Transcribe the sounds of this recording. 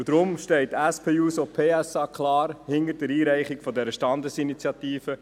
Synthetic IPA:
d̥̪ɾʊmʃtɛltɛspʰeːuːsɔpʰeːɛsɑːkʰlɑːɾhɪnəɾd̥əɾiːɾæɪχɪɡ̥fɔdɛɾəʃtɑndəsinit͡sjɑt̪iːfə

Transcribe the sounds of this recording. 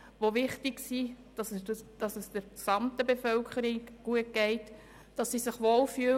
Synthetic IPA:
ʋoʋɪχtɪɡsi | d̥ɑsd̥ɑsəsd̥əɾksɑmt̪əbefœlkʰχəɾiɡ̥uət̚ɡ̥ɛɪt | d̥ɑsːisɪχʋoːlfyə

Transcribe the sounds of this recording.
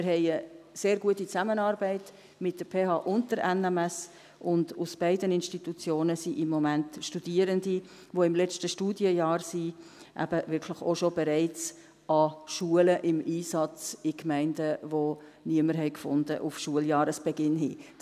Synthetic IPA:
mɪɾhɛɪəseːɾɡuətːit͡samənɑːɾbɛɪt | mɪt̚d̥əɾpʰeːhɑːʔʊntd̥əɾɛnɛmɛs | ʔʊndusb̥æɪdənɪnʃtitut͡sjoːnəsiʔɪmːomæntʃtud̥iəɾəndi | voɪmlɛt͡ʃtəʃtuːdjəjɑːɾsi | ʔæ̰b̥əvɪɾkʰlɪχoʃobɛɾæɪt͡s | ɑʃuələʔɪmiːsɑt͡sɪkmæɪndəvoniəməɾɦɛɪkfʊnd̥əʔʊfʃuəljɑːɾəsb̥ɛɡɪnɦi̥ː

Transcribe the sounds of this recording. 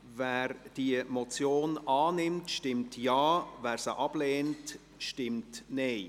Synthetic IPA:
vɛːɾd̥iəmɔt͡sjoːnɑːnɪmtʃtɪmtjaːvæːɾsəʔɑb̥leːnt | ʃtɪmtneɪ

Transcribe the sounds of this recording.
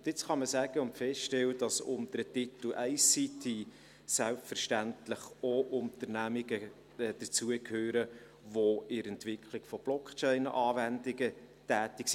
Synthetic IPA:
ʊdɪt͡sχɑməsæɡ̥əʊntfɛstʃtɛwəd̥ɑsʊ̰md̥̪əɾətit̪lʔæɪsitʰi | sælpfəɾʃtæntləχoʔʊnt̪əɾnæmiɡə | ɛd̥ət͡suəkʰhøːɾə | ʋoɪɾɛntʋɪkʰχlɪɡ̥fɔb̥lɔkt͡ʃɛɪnʔɑːvændɪɡətæːtɪksi

